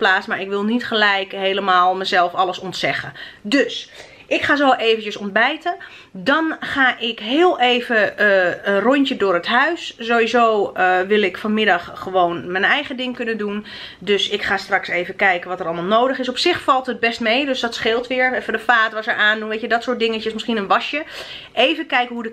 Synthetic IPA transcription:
plaːsmaːɹɪkʋɪlˠnitχəlɛjkɦeːləmaːlˠməzɛlˠfɑləsɔntsɛχədøs | ʔɪkχaːzoʔeːvəncəsɔnd̚bɛjtə | dɔnχaːʔɪkɦɪːəlˠeːvəərɔjntjədʊːrətɦœɥszoːʋizoːʋɪlˠɪkfɔnmɪdɑxχəʋoːnmɛnɛjχədɪŋkønədun | døsɪkχaːstrɑksejvəkɛjkənʋɔtərɑlˠmaːlˠnowdəχɪsɔpsɪxfɑlˠthət̚bɛstmejdøsdɔtsχɪlˠtʋɪːɹfədəfaːtʋɔsəɹʔaːndunʋejtədɔtsʊɹt̚dɪŋət͡ʃəsmɪsχinənʋɑʃjə | ʔejvəkɛjkənɦudə

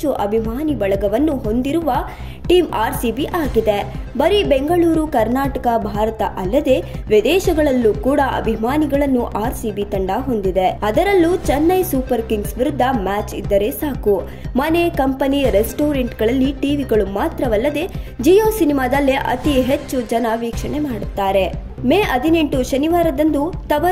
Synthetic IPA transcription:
uʔɐbʱimaːnibɐɭɐɡɐʋɐnːuɦo̞nd̪iɾuʋɐ | ʈiːmaːɾsibiʔaːɡid̪ebɐɾibeŋɡɐɭuːɾukɐɾnaːʈɐkɐbʱaːɾɐt̪ɐ̰ʔɐlːɐd̪e̞ʋid̪ɛːʃɐɡɐɭɐlːukuːɽɐʔɐ̰bʱimaːniɡɐɭɐnːuʔaːɾsiːbit̪ɐɳɖaɦo̞nd̪id̪eɐd̪ɐɾɐlːut͡ʃɐnːɐjsuːpɐɾkiŋɡsʋiɾud̪ʱːɐmaːt͡ʃḭd̪ːɐɾe̞saːku | mɐnekɐmpɐniɾesʈoːɾeɳʈɡɐɭɐlːiʈiːʋiɡɐɭumaːt̪ɾɐʋɐlːɐd̪e̞d͡ʒijoːsinimaːd̪ɐlːeʔɐ̰t̪iɦet͡ʃːud͡ʒɐnɐʋiːkʂɐɳemaːɽut̪ːaːɾe̞ | meːɐd̪ʱine̞ɳʈuʃɐniʋaːɾɐd̪ɐnd̪ut̪ɐʋɐ

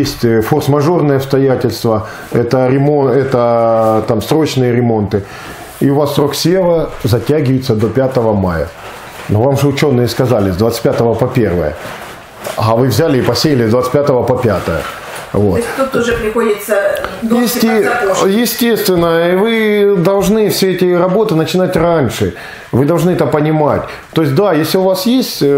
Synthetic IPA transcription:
jesʲtʲforsmɐʐo̞rnɨjəɐpst̪ɐjætʲɪlʲst̪və | ɛt̪əɾʲɪmoɛt̪ət̪amsɾo̞t͡ɕnɨjəɾʲɪmo̞nt̪ɨ | iʊvasːɾoksʲeləzɐtʲæɡʲɪvəɪt̪səd̪o̞pʲat̪əvəmajə̰ | novamʐɨʊt͡ɕo̞nːɨjəskɐzalʲɪzd̪vat̪tʲpʲat̪əvəpɐpʲe̞rvə̰jə̰ | ɐvɨvzʲælʲɪːpɐsʲejɪlʲɪzd̪vat̪sɨ̥pʲat̪əvəpɐpʲat̪ə̰jə̰ | vot̪t̪ut̪ːʊʐɛpɾʲɪxodʲɪt̪səjɪsʲtʲjɪsʲtʲest̪vʲɪnːəivɨd̪ɐlˠʐnɨfsʲeɛtʲɪɾɐbo̞t̪ɨnət͡ɕɪnatʲranʲʂɨ | vɨd̪ɐlˠʐnɨɛt̪əpənʲɪmatʲ | t̪o̞ɪs̬ʲt̚ʲd̪ajesʲlʲɪʊvasjesʲtʲ

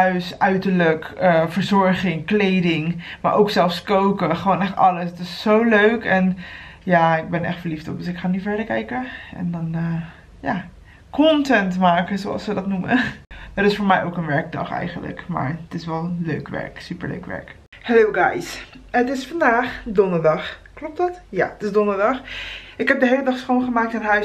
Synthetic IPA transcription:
œɥsœɥtəɹləkəfəɹzɔɹχɪŋklejdɪŋma̰ɹʔowksɛlˠfskowkəχəʋoːnɛχtɑləsətɪsːowløɥkɛnjaɪɡ̚bɛnɛ̰χtfəɹliftɔp̚dəsɪkχaːnifɛɹdəɹkɛjkəʔɛ̰ndɔnəː | ja | kʰɔntɛntmaːkəzoɑ̰lˠsʋədɔtnumə̰d̥ɔtɪsfoːɹmɛjʔowkənʋɛɹk̚dɑ̰χɛ̰jχəndlə̰kma̰ɹətɪsʋɛlˠløɥkʋɛ̰ɹksypə̰ɹlø̰ɥkʋɛ̰ɹk | hɛlowɡajsətɪsfɑndaːχdɔndəɹdɑχklɔp̚tɑtja̰ətɪsdɔndəɹdɑxɪkɦhɛp̚dəɦejlədɑχsχonχəmaːk̚tənɦœɥ

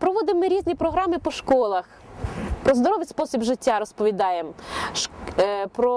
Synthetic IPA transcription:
pɾɔʋɔd̪ɪmːɪɾʲizʲnʲipɾɔɦɾɑmɪpɔʃkɔlˠɐx | pɾɔzd̪ɔɾɔʋɪspɔsʲibʒɪtʲːaɾɔspɔʋʲid̪ɑjemʃpɾɔ

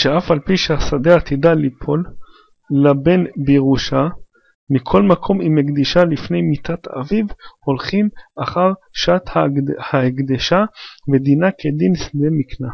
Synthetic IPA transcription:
ʃeafalpiʃehasad̪eat̪id̪alipʰo̞lː | abe̞nbeʁuʃa | mikʰo̞lmakʰo̞mimeɡd̪iʃalifne̞jmit̪at̪a̰vivho̞lχimʔaχaʁʃat̪hahaeɡd̪eʃaved̪inakʰed̪insd̪emikna

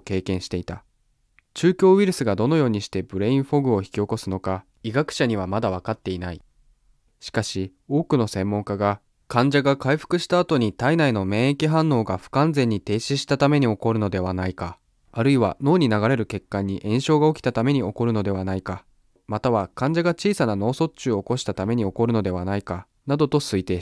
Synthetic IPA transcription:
ke̞ːkẽ̞ɰ̃ɕi̥t̪e̞it̪a | t͡ɕɨːkʲo̞ːβiɾɯ̟sɨɡad̪o̞no̞jo̞ːɲ̟iɕi̥t̪e̞bɯ̟ɾe̞ĩɰ̃ɸo̞ɡɯ̟o̞çi̥kʲio̞ko̞sɨno̞ka | iɡakɯ̥ɕaɲ̟iβamad̪aβakat̪ːe̞inai | ɕi̥kaɕi | o̞ːkɯ̟no̞sẽ̞mːõ̞ŋkaɡa | kãɲ̟d͡ʑaɡakaiɸɯ̟̥kɯ̟ɕi̥t̪aːt̪o̞ɲ̟it̪ainaino̞mẽ̞ɰ̃ekʲiɦãnːo̞ːɡaɸɯ̟̥kãnzẽ̞ɲ̟ːit̪e̞ːɕiɕi̥t̪at̪ame̞ɲ̟io̞ko̞ɾɯ̟no̞d̪e̞βanaikaː | ɾɯ̟iβano̞ːɲ̟inaɡaɾe̞ɾɯ̟ke̞kːaɲ̟ːiʔẽ̞ɰ̃ɕo̞ːɡao̞kʲi̥t̪at̪ame̞ɲ̟io̞ko̞ɾɯ̟no̞d̪e̞β̞anaika | mat̪aβakãɲ̟d͡ʑaɡat͡ɕiːsanano̞ːso̞t͡ɕɨːoːko̞ɕi̥t̪at̪ame̞ɲ̟io̞ko̞ɾɯ̟no̞d̪e̞β̞anaika | nad̪o̞t̪o̞sɨit̪e̞

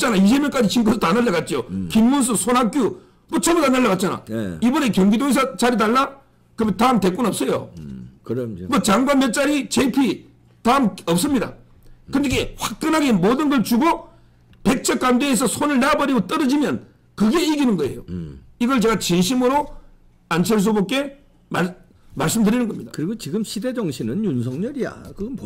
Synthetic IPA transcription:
t͡ɕ͈anais̬ʰe̞bmɲʌnk͈ad͡ʑiɕʰinkʰʌsʰtanaɭːakat̚t͡ɕ͈ijokinmuns̬ʰɯsʰonɦak͈ju | moʌt͡ɕʰʌmutanːaɭːakat̚t͡ɕ͈ana̰ibʌnekjʌŋɡidois̬ʰat͡ɕaɾit̬aɭːa | kɯmetaɯmte̞k͈unʌp̚s͈ʌjo̰ | mʌt͡ɕaŋɡwanmjʌt̚t͡ɕ͈aɾit͡ɕepʰi | tamʌp̚s͈ɯmɲida̰ | kɯndikeɸwak̚k͈ɯnɦaɡemodɯnɡʌɭt͡ɕuɡo | pe̞k̚t͡ɕʰʌk̚k͈amdeːsʰʌsʰonɯɭnabʌɾiɡot͈ʌɾʌd͡ʑimjʌn | kɯɡe̞iɡinɯnɡʌe̞̰joiɡʌɭt͡ɕe̞ɡat͡ɕinɕʰimɯɾo | ant͡ɕʰeɭs̬ubok͈e̞ | ma | maɭs͈ɯmdɯɾinɯnɡʌmɲid̥̪ḁkɯɾiɡot͡ɕiɡɯmɕʰide̞d͡ʑʌŋɕʰinɯnjunsʰʌŋɲʌɾija̰kɯɡʌnp

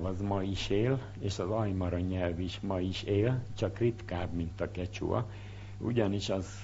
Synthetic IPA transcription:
vɒzmɒjiʃeːl | eːʃɒzɒjmɒɾɒɲɛlviʃmɒjiʃeːlt͡ʃɒkrit̪kaːbmint̪ɒkɛt͡ʃṵɒ̰ | ṵɟɒniʃɒz̥

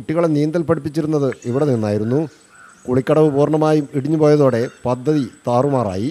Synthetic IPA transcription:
kuʈːiɣɐɭenijɐnd̪ɐlpɐɽip̬ːit͡ɕːiɾunːɐðɨiʋiɽeninːaːjiɾunːu | kuɭikʲːɐɽɐʋɨpuːrɳɐmaːjumiɽiɲːupoːjɐðo̞ːɽe̞pɐd̪ʱːɐðit̪aːrumaːra̰ːji

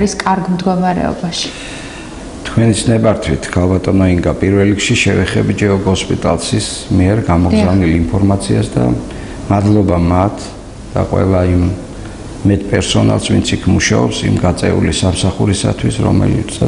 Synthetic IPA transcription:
ɾiskʼaɾɡmd̪ɡɔmaɾɛ̰ɔ̰baʃi̥ | t̪ʰkʰwɛnisnɛbaɾt̪ʰwit̪ʰkʰalˠbat̪ʼɔnɔiŋɡapʼiɾvɛlːikʃiʃɛvɛχɛbid͡ʒɛɔɡɔspʼit̪ʼa̰lˠsis | miɛɾɡamɔɡzavnilimpʰɔɾmat̪sʰiasd̪a̰ | mad̪lˠɔbamat̪ʰ | d̪̥a̰qʼwɛ̰lˠaimː | ɛt̪̚ʰʼpʼɛɾsɔna̰lˠsvint̪sʰikʰmuʃaɔpsḭmɡat̪sʼɛ̰ṵlisamsaχuɾisa̰t̪ʰwisɾɔ̰mɛ̰li

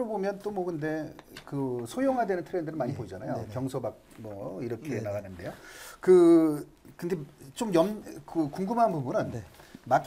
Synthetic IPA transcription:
ɾobomjʌnt͈omʌkɯnde̞kɯsʰojoŋɦadwenɯntʰɯɾendɯɾɯnmaɲipoid͡ʑanajopjʌŋsʰobak̚mʌiɾʌkʰenaɡanɯnde̞jokɯ | kɯnde̞t͡ɕomjʌmkɯkuŋɡumɦanbumbunɯnmak͈

